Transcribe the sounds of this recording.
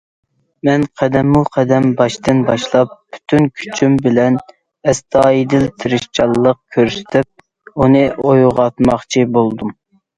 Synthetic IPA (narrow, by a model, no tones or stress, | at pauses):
mɛnqʰɛd̪ɛmːuqʰɛd̪ɛmbɑʃt̪ɨnbɑʃlˠɑp̚ːy̥t̪ʰynkʲʰy̥t͡ʃʰymbɪlɛn | ɛst̪ʰɑːid̪ɪlt̪ʰɪɾɪʃt͡ʃʰɑlˠːəq̚kʲʰøɾsɪ̥t̪ʰɪp̚ | unɨʔojʁɑt̪mɑχt͡ʃʰibolˠd̪um